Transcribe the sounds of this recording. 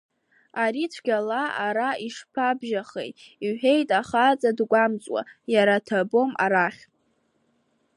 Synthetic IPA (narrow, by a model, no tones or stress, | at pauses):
aɾit͡ʃʷʰɡ̥ʲalaaɾaiʂpʰabʒaχḛjtʼiħe̞jtʼaχat͡sʼadɡʷamt͡sʼwa̰jaɾatʰabo̞mʔa̰ɾaχʲ